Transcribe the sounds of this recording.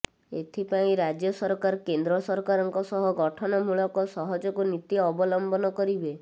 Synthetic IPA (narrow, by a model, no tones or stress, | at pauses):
ḛt̪ʰipaĩɾad͡ʒjɔsɔɾkaɾkend̪ɾɔsɔɾkaɾɔŋkɔsɔɦɔɡɔʈʰɔnɔmuɭɔkɔsɔɦɔd͡ʒɔkunit̪iɔbɔlɔmbɔnɔkɔɾibe